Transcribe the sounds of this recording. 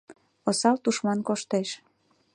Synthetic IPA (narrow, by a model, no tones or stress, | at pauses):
osɑlt̪uʃmɑnkoʃt̪eʃ